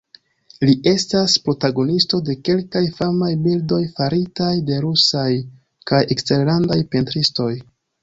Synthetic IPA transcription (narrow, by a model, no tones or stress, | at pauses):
liʔe̞staspɾo̞taɡo̞nisto̞de̞ke̞lkajfamajbildo̞jfaɾitajde̞ɾusaj | kajʔekste̞ɾlandajpentɾisto̞j